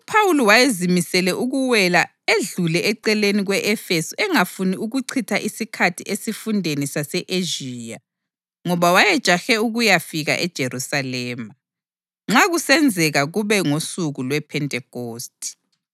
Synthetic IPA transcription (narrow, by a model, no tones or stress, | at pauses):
upʰawulɔwajezimisɛlɛʔuɣuwɛla | eɮulɛʔɛǀɛleniɣwɛʔɛfesuʔɛŋafuniuɣuǀʰitʰaʔisikʰatʰiʔesifundʱenisasɛʔeʒiːja | ŋɔβawajɛd̥ʒ̥ʼʱaxɛuɣujafiɣa̰ʔɛd̥ʒ̥ʱerusalɛːma | ŋ͡ǁaɣusɛnd͡zʱɛɣaɣuβɛŋosuɣulwɛpʰɛntʼɛkoːstʰʼi̥